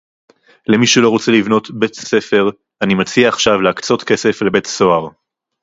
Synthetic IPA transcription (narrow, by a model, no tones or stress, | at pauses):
lemiʃulo̞ʁo̞t͡se̞livno̞t̪be̞tse̞fe̞ʁ | animat͡siaːχʃavleakt͡so̞t̪ke̞se̞fle̞be̞tso̞aʁ